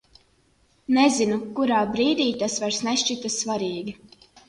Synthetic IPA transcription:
nɛzinukuɾaːbɾiːd̪ʲiːt̪asvaɾsnɛʃt͡ʃit̪asvaɾiːɡʲi

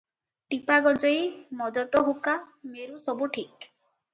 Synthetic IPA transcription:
ʈipaɡɔd͡ʒɔjmɔd̪ɔt̪ɔɦukameɾusɔbuʈʰik

